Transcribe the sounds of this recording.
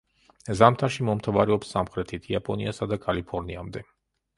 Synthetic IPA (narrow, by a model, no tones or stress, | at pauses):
zamt̪ʰaʃimɔmt̪ʰavaɾɛɔpsːamχɾɛt̪ʰit̪ʰiapʼɔniasad̪akʼalipʰɔɾniamd̪ɛ